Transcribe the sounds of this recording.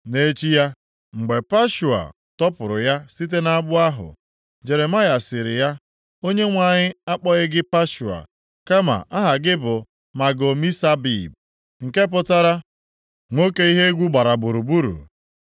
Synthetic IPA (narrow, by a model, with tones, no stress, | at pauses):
ne˦t͡ʃi˦ja˦ | ŋ͡m̩˨ɡ͡be˨pa˦ʃu˨a̰˨ | tɔ˦pʊ˨ɾʊ˨ja˦si˦t̬e˦na˦bʊ˦a˦ɦʊ̰˨ | d͡ʒe˨ɾe˨ma˦ja˨sɪ˨ɾɪ̰˨ja˦ | o˦ɲe˦ŋʷa˨ɲɪ˦a˦k͡pɔ˦ɣɪ˦ɡɪ˦pa˦ʃu˨a̰˨ | ka˦ma̰˨ʔa˦ɦa˨ɡɪ˦bʊ˨ | ma˨ɡo˨mi˦sa˦bḭ˦˨b̚ | ŋ̩˨ke˦p̬ʊ˦ta˦ɾa˦ | ŋʷo˦ke˦i˦ɦe˦ɡʷu˦ɡ͡ba˨ɾa˨bʊ˨ɾu˨bu˦ɾṵ˨